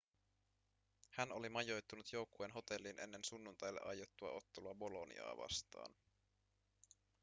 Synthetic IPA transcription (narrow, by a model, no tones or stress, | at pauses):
hænolimɑjo̞jt̪ːunut̪jo̞wkːueːnɦo̞t̪e̞lːinʔe̞̰nːe̞nsunːunt̪ɑjlːḛʔɑjot̪ːuɑ̰o̞t̪ːeluɑbo̞lonḭɑ̰ːʋɑ̰st̪ɑ̰ːn